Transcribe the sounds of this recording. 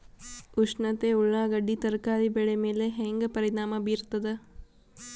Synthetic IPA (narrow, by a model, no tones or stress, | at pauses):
uʂɳɐt̪euɭːaːɡɐɖːit̪ɐɾkaːɾibɛɭemeːleɦeŋɡɐpɐɾinaːmɐbiːɾt̪ɐd̪e